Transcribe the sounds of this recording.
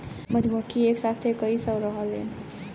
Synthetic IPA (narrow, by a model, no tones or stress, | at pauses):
məd̪ʱməkʰieksat̪ʰekəisʌɾʌɦəlḛn